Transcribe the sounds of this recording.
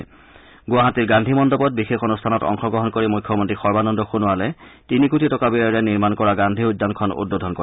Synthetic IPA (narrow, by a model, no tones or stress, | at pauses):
ɡʊwaɦatiɹɡãndʱimɔndɔbɔt̚bixexonustʰanɔtɔ̰ŋxɔɡɹɔɦɔnkoɹimujkʰːjɔmɔntɹixɔɹbanɔndɔxunʊalɛtinikutʰitɔkabiɹɛniɹmankɔɹaɡandʱiudːankʰɔnṵd̚bodʱɔnkɔ